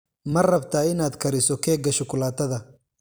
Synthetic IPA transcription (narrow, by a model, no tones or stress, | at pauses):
mɐrɐbt̪ʰaːɪnaːd̪kʰɐɾɪsɔkʰɛːɡɐʃʊkʰʊlaːt̪ʰɐðɐ